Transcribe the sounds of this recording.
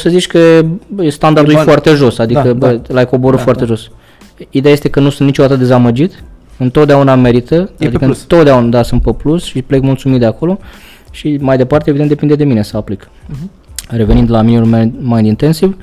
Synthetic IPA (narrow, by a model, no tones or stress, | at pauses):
səzit͡ʃʲkəejest̪and̪aɾrd̪ujfoart̪e̞ʒo̞sad̪ikəbəlaeko̞boɾufoart̪e̞ʒo̞s | id̪eaje̞st̪e̞kənusunt̪nit͡ʃo̞d̪at̪əd̪e̞zaməd͡ʒit̪ɨnt̪o̞t̪d̪eauname̞ɾit̪əad̪ikəɨnt̪ot̪d̪eaunad̪asunt̪̚peplusʃiple̞kmult̪sumit̪d̪eako̞lo̞ | ʃimajd̪e̞part̪evid̪ent̪d̪epind̪e̞d̪e̞minesəaplik | re̞venind̪laminimulmajnd̪int̪e̞nsiv